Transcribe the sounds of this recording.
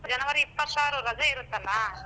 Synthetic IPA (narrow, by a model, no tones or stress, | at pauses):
d͡ʒɐnɐʋɐɾɪpːɐsaːɾɯɾɐd͡ʒɐɪɾɯt̪ːɐlːaː